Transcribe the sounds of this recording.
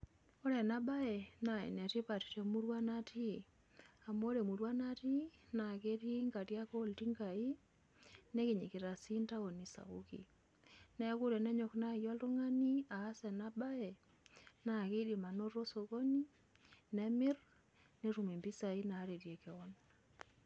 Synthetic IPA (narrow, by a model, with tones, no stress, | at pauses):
o˦ɾɛ˨na˦ba˦ɛ˨na˨ɛ̰˨nɛ˨ti˦pa˨ti̥˨te˨mu˦ɾwa˦na˦ti˦˨ | a˨mo˦ɾe˨mu˨ɾwa˦na˦ti˦na˨ke˦ti˦ŋɡa˨tja˦ko˦˨lti˦ŋɡa˨i˦ | ne˦ki˨ɲḭ˨kɪ˨ɾa˨si˦nta˦o˨ni˨sa̰˨ɣṵkḭ˨ | nɛ˦ku˦ɾɛ˨nɛ˦ɲɔ˨kna˦˨jɔ˦lto˦ŋa˦ni˦aː˨˦sɛ˨na˦ba˦ɛ˨ | na˨ki˦di˨ma˨no˦ro˦so˨ɣo˦ni˦ | nɛ˦mɪ˦r | ne˦ɾu˨me˨mbi˦sa˨i˦na˨˦ɾe˨ɾje˨kɛ˨ɔ˦n